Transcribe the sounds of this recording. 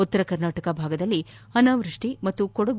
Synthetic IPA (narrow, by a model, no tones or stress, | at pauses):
ot̪ːɐɾɐkɐɾnaːʈɐkɐbʱaːɡɐd̪ɐlːi | ɐnaːʋɾɨʂʈimɐt̪ːukɔɽɐɡ